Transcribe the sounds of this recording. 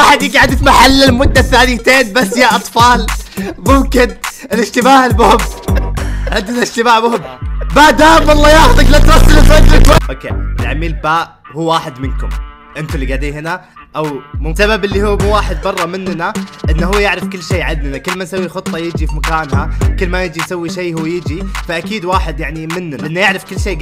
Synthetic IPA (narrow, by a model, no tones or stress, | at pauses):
aħad̪jɪɡaʕad̪ifmaħalːɪlmʊd̪ːaθːaːlɪt̪eːnbasːjaʔɑt̪ˤfɑːlmʊmkɪnɪlɪʃt̪ɪmaːʕɪlmʊhɪb | ʕɪnd̪ːnaɪʃt̪ɪmaːʕmʊhɪbmad̪aːmwɑlˤːɑːjaːxʊd̪aklat̪ɾasːalɪfad͡ʒɾakaʔʔoːkḛːlaʕamiːlbaːʔ | huːwaːħɪd̪mɪnkʊm | ʔɪnt̪ʊlːiɡaʕd̪iːhɪna | ʔawmsababɪlːihuːmuːwaːħɪd̪̚bɑrˤːɑmɪnːnaʔɪnːɦuːjɪʕɾɪfkɪlːʃeːʕɪd̪ːnakɪlːmansawːixʊt̪ˤːɑjɪd͡ʒifimakaːnhakɪlːmajɪd͡ʒijsawːiʃejːhuːjɪd͡ʒifaʔakiːd̪waːħɪd̪jaʕnimɪnːnaʔɪnːajɪʕɾɪfkɪlːʃeː